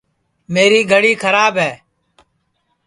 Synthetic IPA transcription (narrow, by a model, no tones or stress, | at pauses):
meːɾiːɡʱəɽiːkʰəɾaːbɦɛː